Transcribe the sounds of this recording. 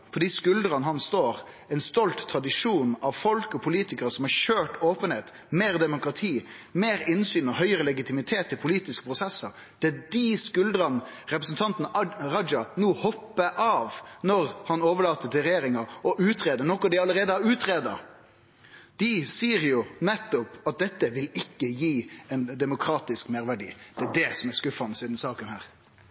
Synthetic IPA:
pʰɔd̪ɪskʉld̪ɾɑnəhɑnsst̪oːɾ | ɛɪnst̪ɔlt̪ʰːɾɑd̪ɪʂuːnɑʋfɔlkɔpʰʊliːt̪ɪkəɾsɔmɑʃøːʈoːpənheːt̪ | meːɾd̪ɛmʊkɾɑt̪ʰiː | meːɾɪnsyːnɔhœʏɾəlɛɡɪt̪ɪmɪt̪ʰeːt̪ʰːɪlpʰʊliːt̪ɪskə̥pʰɾʊsɛsːəɾ | d̪̥ɛd̪iskʉld̪ɾɑnɾɛpɾəsn̩t̪ʰɑnt̪n̩ɾɑd͡ʒɑnuːhɔpːəʔɑːʋnɔɾhɑnoːʋəlɑːt̪ət̪ʰɪlɾɛjeːɾɪŋɑɔʔʉːt̪ʰɾeːd̪ənɔkːɔd̪ɪɑləɾeːd̪əɑʉːt̪ʰɾeːd̪ɑ̰ | d̪̥ɪsiːəɾjʊnɛt̪ːɔpɑt̪̚d̪ɛt̪ːəʋɪlɪkːəjiːɛɪnd̪ɛmʊkʰɾɑːt̪ɪskmæɾʋæɖḭːd̪̥ɛædɛsɔmæskʉfɑnəsiːd̪n̩sɑːkənhæːɾ

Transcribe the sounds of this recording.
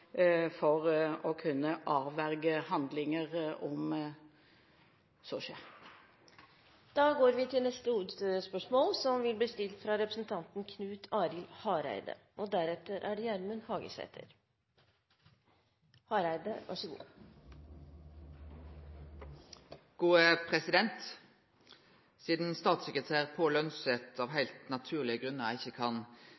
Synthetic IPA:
fɔʁɔkʰʉnːəʔɑːʋæʁɡəhɑnd̪lɪŋəʁɔm | sɔʃeː | d̪̥ɑːɡoːɾʋɪt̪ʰɪlnɛst̪əhuːd̪ət̪øəspœʂmoːlsɔmʋɪlb̪iːst̪ɪlt̪fɾɑɾɛpɾəsnt̪ʰɑnt̪n̩kʰnʉːt̪ʰɑːɾɪlhɑːɾæ̰ɪd̪ə̰ | ʔɔd̪æɾɛt̪ːəɾʔæɖɛjæːɳəmuːnhɑːɡə̰sɛ̰t̪ʰə̰ɾ | hɑːɾæɪd̪əʋʔɑ̰ʂəɡṵː | ɡ̥uːəpʰʁɛsɪd̪ɛnt̪ | siːd̪n̩st̪ɑːt̪sɛkɾət̪ʰæːʁpʰɔlœnsət̪ʰɑʋɦæɪlt̪nɑt̪ʰʉːʁlɪəɡɾʁʉnːəʁæɪçːəkʰɑn

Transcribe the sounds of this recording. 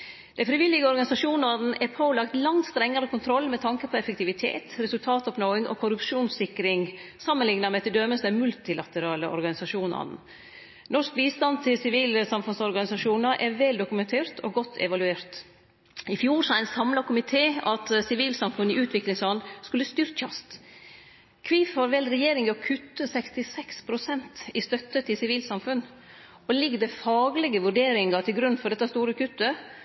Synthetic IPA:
d̪̥ɛnfɾɪʋɪlːɪɡəɔɾɡɑnɪsɑʂuːnɑd̪n̩ʔɛpʰoːlɑkt̪lɑŋt̪st̪ɾɛŋːəɾəkʰʊnt̪ʰɾɔlːmɛt̪ʰɑŋkəpʰɔɛfɛk̚t̪ɪʋɪt̪ʰḛːt̪ɾɛsʉlt̪ʰɑːt̪ɔpnoːɪŋʔɔ̰kʰʊɾʉpʂuːnssɪkːɾɪŋsɑmːənlɪŋnɑmɛt̪ɪld̪œməsd̪ɛnmʉlt̪ɪlɑt̪əɾɑːləʔɔ̰ɾɡɑnɪsɑʂuːnɑ̰d̪n̩ | nɔʂk̚biːst̪ɑnt̪ʰɪlsɪʋiːlsɑmfʉnsɔɾɡɑnɪsɑʂuːnɑʔɛɾʋɛld̪ʊkʉmɛnt̪ʰeːɾt̪ʰɔ̰ɡɔt̪ʰːɛ̰ʋɑlʉeːɾt̪ | ɪfjuːɾsæɪnsɑmlɑkʰʊmɪt̪ʰeːɑt̪sɪʋiːlsɑmfʉnɪʔʉːt̪ʰʋɪklɪŋsɑnskʉlːəst̪ʏɾkɑst̪ | kʰʋiːfhɑɾʋɛlɾɛjeːɾɪŋɛɔkʰʉt̪ːəsɛkst̪ɪsɛkspʰɾʊsɛnt̪ɪst̪œt̪ːət̪ʰɪsɪʋiːlsɑmfʉn | ɔlɪɡd̪ɛfɑːɡlɛɡəʋʉɖeːɾɪŋɑt̪ʰɪlɡɾʉnːfɔɖɛt̪ːəst̪uːɾəkʰʉt̪ːə

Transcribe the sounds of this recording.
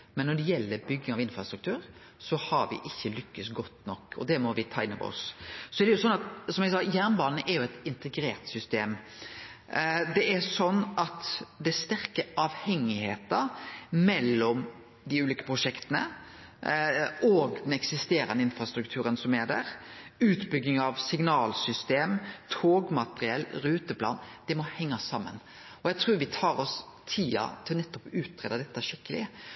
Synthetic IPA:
mɛnːɔɖɛjɛlːəɾbʏɡːɪŋɑʋɪnfɾɑst̪ɾʉkt̪ʰʉːɾ | sɔhɑɾʋɪ̰ʔɪçːəlʏkːəsɡɔt̪ːnɔkːɔ̰d̪ɛmɔʋɪt̪ʰɑːɪnːɔ̰ʋɔ̰ssɔɛɾd̪ɛjʊsɔnːɑt̪sɔmɛɡsɑːjæːʁnbɑːnn̩ʔɛɾjʊɛt̪ɪnt̪əɡɾeːɾt̪sʏst̪eːm | d̪ɛʔɛsɔnːʔɑt̪d̪ɛst̪æɾkəɑʋhɛŋːɪheːt̪əmɛlːɔm | d̪ɪʉːliːkə̥pʰɾʊʂɛkt̪ənə̰ | oːɡd̪ɛnɛksɪst̪eːɾɑ̰nəɪnfɾɑst̪ɾʉk̚t̪ʰʉːɾənsɔmæd̪æ̰ɾʉːt̪bʏɡ̪ːɪŋɑʋsɪŋnɑːlsʏst̪eːmt̪ʰoːɡmɑt̪əɾɪɛlːɾʉːt̪əpʰlɑ̰ːnd̪̥ɛmɔhɛŋːɑsɑmːə̰n | ɔjæɪt̪ʰɾuːɾʋɪt̪ʰɑːɾɔs | t̪ʰiːɑ̰t̪ʰɪlnɛt̪ːɔpʉːt̪̚ːʰɾeːd̪ɑd̪ɛt̪ːəæʂɪkːəlɪ̰

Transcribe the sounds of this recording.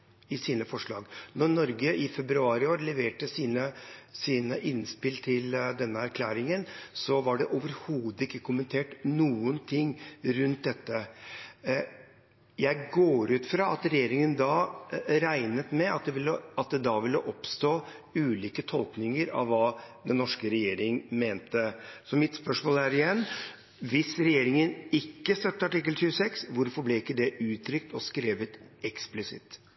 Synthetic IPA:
ɪsiːnəfɔʂɭɑːɡnɔɾnɔɾɡəʔɪfɛbɾʉɑːɾɪoːɾlɛʋeːʈəsiːnəsiːnəʔɪnspɪlt̪ʰɪld̪ɛnːəæɾkʰlæːɾɪŋənsɔʋɑɖɛʔoːʋəɾhuːd̪əɪkːəkʰʊmənt̪ʰeːʈnuːənt̪ʰɪŋːɾʉnt̪̚d̪ɛt̪ːə | jæɪɡoːɾʉːt̪fɾɑːɑt̪ɾɛjeːɾɪŋənd̪ɑɾæɪnət̪mɛɑt̪̚d̪ɛʋɪlːəɑt̪̚d̪ɛd̪ɑʋɪləʔɔpst̪oː | ʉːliːkət̪ʰɔlknɪŋəɾɑ̰ʋːɑːd̪ɛnːɔʂkəɾɛjeːɾɪŋmeːnt̪əsɔmɪt̪spœʂmoːlæɾɪjɛnː | ʋɪsɾɛjeːɾɪŋənɪkːəst̪œt̪ːəɑʈɪkːəltʉːəsɛksʋʊɾfɔɾblɛɪkːəd̪ɛʔʉːt̪ʰɾʏkt̪ɔskɾeːʋət̪ɛksplɪsɪ̰t̪

